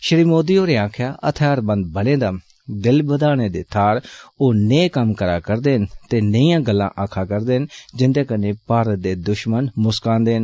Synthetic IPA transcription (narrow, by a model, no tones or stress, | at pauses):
ʃəɾiːmoːd̪iːoːɾeːãːkʰjaːʔət̪ʰjaːɾbə̃nd̪̚bəlẽːd̪aː | d̪ɪlbəd̪aːɽeːd̪ḛːt̪ʰaːɾoːneːkəmkəɾa̰ːkəɾd̪eːɦənt̪eːnəijãːɡəlːã̰ːʔaːkʰaːkəɾd̪eːɦənd͡ʒɪnd̪eːkənẽːpaːɾət̪̚d̪eːd̪ʊʃmənmʊskãːnd̪eːɦən